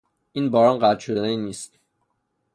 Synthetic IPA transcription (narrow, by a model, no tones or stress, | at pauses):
ʔiːnbɒːɾɒːnɢæt̪ʃod̪æneiniːst̪